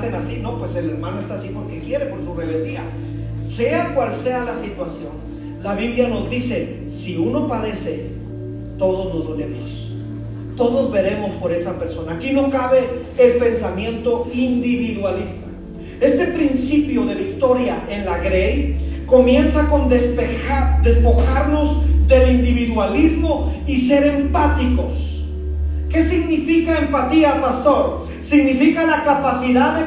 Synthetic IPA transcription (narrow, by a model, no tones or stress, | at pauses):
senasino̞pwese̞le̞ɾmãnoest̪asipo̞ɾke̞kje̞ɾepo̞ɾsuβeβed̪ia | se̞akwalse̞alasit̪wasjo̞n | laβiβljano̞zd̪ise̞ | siuno̞paðe̞se̞ | t̪o̞ðozlozðolemos | t̪o̞ðozβe̞ɾe̞mo̞spo̞ɾe̞sape̞ɾso̞naːkino̞kaβe̞ː | lpe̞nsamje̞nt̪o̞ind̪iβiðwalist̪a | e̞st̪e̞pɾinsipjo̞ðe̞βikt̪o̞ɾjae̞nlaɣɾe̞jko̞mje̞nsako̞nd̪epead̪e̞spo̞xaɾno̞zd̪e̞lind̪iβiðwalizmo̞ | is̬e̞ɾe̞mpat̪iko̞s | ke̞siɣnifikaempat̪iapast̪o̞ɾ | siɣnifikalakapasiðae